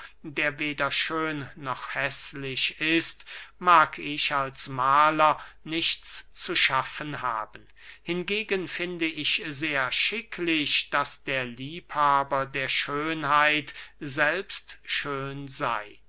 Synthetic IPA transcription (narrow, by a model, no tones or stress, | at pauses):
deːɐveːdɐʃøːnːɔχhɛslɪʃɪstmaːkʰɪʃalsmaːlɐ | nɪʃt͡st͡suʃafənha̰ːbən̩ | hɪnɡeːɡənfɪndəɪçzeːɐʃɪkʰlɪʃd̥asd̥eːɐliːphaːbɐdeːɐʃøːnhaɪtzɛlpstʃøːnza̰ɪ